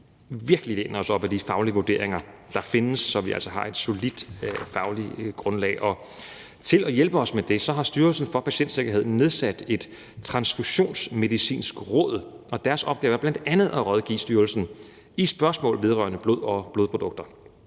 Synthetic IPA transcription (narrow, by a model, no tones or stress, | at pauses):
ʋiɐɡ̥əlilenɐɒ̽sɒ̽b̥æd̥ifɑ̈ʊliəʋoɐd̥e̝̰ɐeŋɐ | d̥ɑ̈fe̝nəsːɒ̽ʋiʔæ̰l̰sɒɦɑ̈e̝d̥so̝lid̥fɑ̈ʊliɡ̥ʁɔ̽nlɛ̰ːɪʔɒ̽ | t͡sʰe̝lɒjelb̥əɒ̽smed̥e̝sɒ̽ɦɑ̈sd̥yɐlsn̩fɒ̽pʰæɕen̰d̥se̝ɡ̥ɐɦe̝ð̞̰ˠn̩ne̝ð̞ˠsæd̥e̝d̥ | t͡sʰʁɑ̈nsfuɕo̝̰ːnsme̝ðˠisḭːnsɡ̥ʁɔ̰̽ːð̰ˠ | ɒ̽d̥æɐsɒ̽b̥̚ɡ̥ɛːʊɐblæn̰d̥ænð̞̩ˠæʁɒðˠɡ̥ḭːsd̥yɐlsn̩ | isb̥ɶɐsmɔ̰ːlʋe̝ð̞ˠʁɶ̰ːɐnəb̥lo̝ð̞̰ˠɒ̽b̥lo̝ðˠpʰʁo̝d̥ɔ̽ɡ̥d̥ɐ